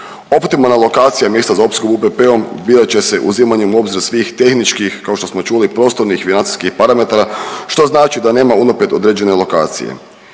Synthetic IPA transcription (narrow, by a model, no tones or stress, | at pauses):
o̞pt̪imalˠnalˠo̞kaːt̪sijamjeːst̪azaopskobupepeo̞mbiːɾat͡ɕe̞se̞ʔṵzimaɲeuo̞bziɾusʋiːxt̪e̞xnit͡ʃkixkao̞ʃt̪o̞smo̞t͡ʃulipɾo̞ːst̪o̞ɾnixfinansi̥skixpaɾame̞t̪aɾaʃt̪o̞znaːt͡ʃid̪ane̞ːmaunopet̪o̞d̪ɾed͡ʑe̞ne̞lˠo̞ka̰ːt̪sḭjḛ